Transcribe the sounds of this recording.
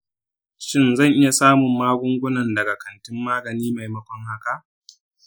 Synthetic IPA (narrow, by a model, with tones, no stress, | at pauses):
ʃɪ˦nzɐ˦˨ŋʔɪ˦ja˨saː˦mʊ˨mːaː˦ɡʷʊ˦ŋɡʷʊ˦nɐ˨ndɐ˨ɡa˨kʰɐ˨ntɪ˦mːaː˦ɡɐ˨niː˦ma˨jmɐ˦kʷɔ˦ŋha˦ka˦ʔ